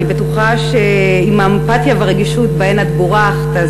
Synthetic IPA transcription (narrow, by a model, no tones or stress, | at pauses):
ibetuχaʃe | imaempatjaveʁeɡiʃutbaenat̪boʁaχt̪a